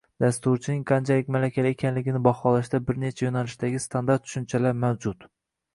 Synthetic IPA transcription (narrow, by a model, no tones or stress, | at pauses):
d̪ast̪ʊɾt͡ʃʰɪnɪŋqʰant͡ʃʰalɪkʲmalakʲʰalɪekʰʲanlɪɡʲɪnɪbɒχɒlaʃd̪abɪɾne̞t͡ʃʰajonalɪʃd̪aɡʲɪst̪ʰand̪aɾt̪ːʰʊ̥ʃʊnt͡ʃʰalaɾmawd͡ʒʊt̪